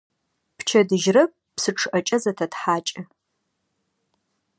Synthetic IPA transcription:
pʰt͡ʃʰɐdɨʒrɐp̚ʼpsɨʈ͡ʂʰɨʔɐt͡ʃʼɐzɐtʰɐtħaːt͡ʃʼɪ

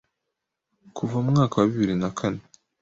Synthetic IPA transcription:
kʰuvaumŋaːkawaβiβiɾinakʰane

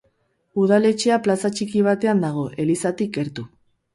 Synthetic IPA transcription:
uð̞ale̞t͡ʃeaplasat͡ʃikiβ̞at̪e̞and̪aɣ̞o̞ʔe̞lisat̪ike̞ɾt̪u

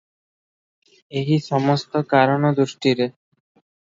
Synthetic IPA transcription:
eɦiʃɔmost̪okaɾonod̪uʃʈiɾe

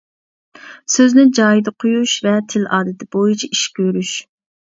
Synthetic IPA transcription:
søznɪd͡ʒɑːjid̪ɨqʰojuʃvɛt̪ʰɪlʔɑːd̪ɪt̪ʰɪb̥ojit͡ʃʰiiʃkʲʰøɾyʃ

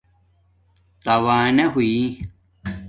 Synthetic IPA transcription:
t̪ɐwaːneɦui

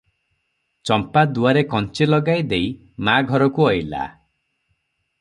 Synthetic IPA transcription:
t͡ʃɔmpad̪uaɾekɔnt͡ʃelɔɡajd̪ej | maɡʱɔɾɔkuɔjla̰

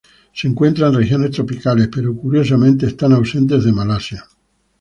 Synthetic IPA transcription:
seŋkwent̪ɾanrexjonest̪ɾopikalespeɾokuɾjos̬amẽnt̪̬eːst̪anawsẽnt̪̬ezðemalasja

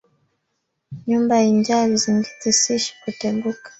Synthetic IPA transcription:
ɲumbaiɲd͡ʒaliziŋɡitisiʃi̥kutɛɓukḁ

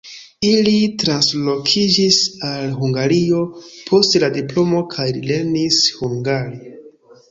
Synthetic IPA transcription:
ilitɾanslo̞kʰid͡ʒisalɦuŋɡaɾio̞pʰo̞stladiplo̞mo̞kʰajlile̞ɾnishuŋɡaɾe

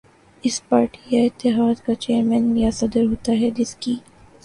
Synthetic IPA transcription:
ɪspaːɾʈijaɪt̪ːɪɦaːd̪kat͡ʃeːəɾmɛ̃ːnjasɐd̪əɾɦoːt̪aɦɛd͡ʒɪskiː

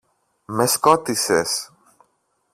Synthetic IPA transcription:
me̞sko̞t̪ises

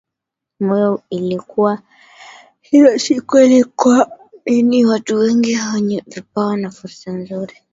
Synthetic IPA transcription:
mɔjɔilikuwa | hilɔʃikwɛlikwa | iniwatuwɛŋɡihawaɲɛvipawanafuɾsanzuɾi

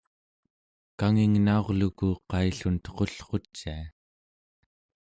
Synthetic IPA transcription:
kaŋiŋnao̞ʁlukuqɑiɬunt̪ə̥qo̞ɬqo̞t͡ʃːia

